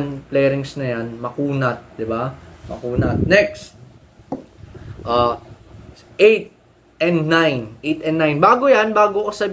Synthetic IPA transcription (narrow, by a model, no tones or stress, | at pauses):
nplɛjɾɪŋsnɐjanmɐkuːnɐt̪̚d̪ɪbamɐ̰kuːnɐt̪̚nɛk̚st̪̚ | ʔaː | ʔejt̪̚ | ɛnd̪najnʔejt̪ɛnd̪ːajnbaːɡojanbaːɡokosɐb